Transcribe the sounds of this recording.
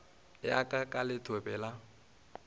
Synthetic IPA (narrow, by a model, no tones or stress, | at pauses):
lɪakʼakʼalɪtʰwebɛla